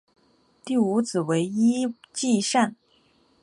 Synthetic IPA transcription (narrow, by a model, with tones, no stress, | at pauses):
t̪i˥˩u˧˥t͡sɹ̩˨˩we˧˥ɪi˥ | t͡ɕi˥˧ʂa˥˩n